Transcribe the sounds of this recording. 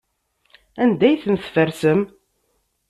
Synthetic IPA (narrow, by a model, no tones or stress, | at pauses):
ænd̪æjθənθfəɾsəm